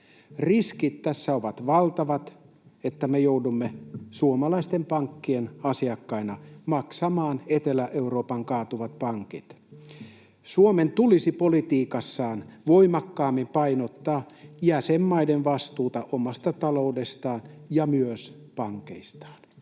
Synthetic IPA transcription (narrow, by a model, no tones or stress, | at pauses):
riskit̪t̪æsːæoʋɑt̪ʋɑlt̪ɑʋɑt̪ | et̪ːæmejoudumːesuomɑlɑist̪empɑŋkːienɑsiɑkːɑinɑmɑksɑmɑːnet̪elæʔeuɾo̞ːpɑŋkɑːt̪uʋɑt̪̚pɑŋkit̪ | suoment̪ulisipolit̪iːkɑsːɑːnʋo̞imɑkːɑːmːimpɑinot̪ːɑːjæsemːɑidenʋɑst̪uːt̪ɑʔomɑst̪ɑt̪ɑlo̞ude̞st̪ɑːnjɑmyøs | pɑŋkḛist̪ɑ̥ːn